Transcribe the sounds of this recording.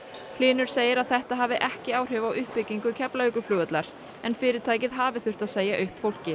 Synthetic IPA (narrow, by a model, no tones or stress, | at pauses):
hlɪːnʏɾ̥seːjɪɾaðθɛht̪aɦaːvɪʔɛhcɪaːwr̥ʏvawʔʏhpːʏcːiŋkʏcʰɛplaʏkʏflʏːɣʏt̪laɾ̥ | ɛnfɪːɾɪɾt̪ʰaːjcɪðɦaːvɪθʏr̥t̪aðseːjaʔʏhpfowl̥cɪ